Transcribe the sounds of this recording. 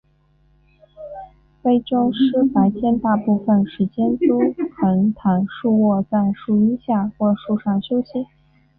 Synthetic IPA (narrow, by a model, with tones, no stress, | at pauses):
fe˥˩ɪʈ͡ʂo˥ŋʂɻ̩˥pa˨˧˩ɪt͡ɕʰjɛ˥˧nt̪a˥˧pu˥˩fə˥˩nʂɻ̩˧˥t͡ɕjɛ˥nt̪u˥xə˧˥nt̪ʰa˧˥nʂu˥˧wɔ˥˧t͡sa˥˧ɪʂu˥˩i˥nɕja˥˧xwɔ˥˧˩ʂu˥˧ʂɑ˥˩ŋɕjo˥ʊɕi˧˥